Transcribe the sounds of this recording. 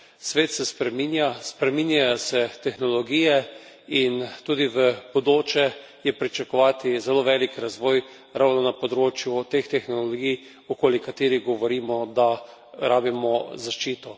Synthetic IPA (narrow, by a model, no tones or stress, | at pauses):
sʋeːt̪sɛspɾɛminjaspɾɛminjajosɛt̪ɛxnɔlɔɡiːjɛ | int̪uːd̪iʋəb̥od̪oːt͡ʃɛ | jɛpɾit͡ʃakɔʋaːt̪izɛloːʋɛːlikɾazʋɔːj | ɾawnɔnapɔd̪ɾoːt͡ʃjut̪ext̪ɛxnɔloɡij | ɔkoːlikat̪eːɾiɡɔʋɔɾiːmɔd̪a | ɾaːbimɔzaʃt͡ʃiːt̪ɔ